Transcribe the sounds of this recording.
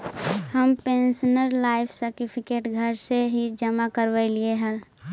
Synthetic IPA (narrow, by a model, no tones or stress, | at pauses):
həmpẽːnsənəɾlaːɪpʰsəɾʈipʰɪkeːʈɡʱəɾseɦid͡ʒəmakəɾʋəɪlieɦɛ̃